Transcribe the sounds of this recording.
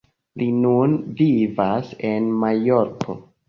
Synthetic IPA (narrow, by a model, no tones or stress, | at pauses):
lʔinunvivase̞nmajoɾko̞̰